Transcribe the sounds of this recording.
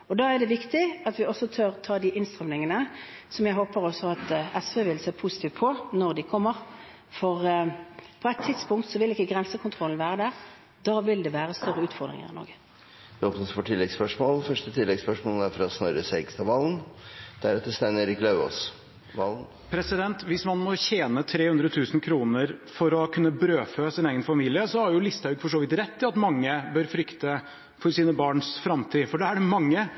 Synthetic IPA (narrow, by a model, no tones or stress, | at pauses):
ɔd̪ɑːæɖ̪ɛʋɪkt̪ɪɑt̪ʋɪɔsɔt̪ʰøɾt̪ʰɑːd̪ɪʔɪnst̪ʁɑmnɪŋənə | sɔmjæɦoːpəɾɔsːɔɑt̪ɛsʋeːʋɪlseːpʰusɪt̪ʰiːʋt̪pʰɔnɔʁd̪ɪkʰɔmːəʁ | fɔʁ | pʰɔɛt̪ʰːɪd̪spʊŋk̚t̪sɔʋɪlɪkːəɡʁɛnsəkʰʊnt̪ʰʁɔln̩ʋæːʁəd̪æʁ | d̪̥ɑːʋɪld̪ɛʋæːʁəst̪œʁːəʉːt̪fɔʁd̪ʁɪ̰ŋə̰ɪ̰nɔ̰ɾɡə | d̪ɛoːpnəsfɔʈʰɪlːɛɡspœʂmoːlfœʂʈət̪ʰɪlːɛɡspœʂmoːlæɾfɔɾɑt̪snœɾəsɛɡst̪ɑʋɑlnd̪̥æɾɛt̪ːəst̪ɛnəɾɪklɑʉo̰s | ʋɑln | pʰɾɛsɪd̪ɛnt̪ʋɪsmɑnmɔçeːnət̪ʰɾeːhʉnd̪ɾət̪ʰʉːsn̩kʰɾuːnəɾfɔɾɔkʰʉnːəbɾøːføsɪneːɡənfɑmiːlɪəsɔhɑɾjʊlɪst̪hɑʉɡfɔʂoːʋɪt̪ɾɛt̪ːɪɑt̪mɑŋːəbœɾfɾʏkt̪ə | fɔɾsiːnəbɑːɳsfɾɑmt̪ʰiːfɔɖɛæɖɛmɑŋːə